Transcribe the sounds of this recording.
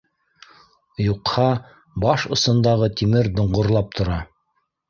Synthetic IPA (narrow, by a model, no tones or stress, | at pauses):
juqhɑ | bɑʃŏsɤ̆nd̪ɑʁɤt̪imɘɾd̪ŏɴʁŏɾlˠɑp̚t̪ʰŏɾɑ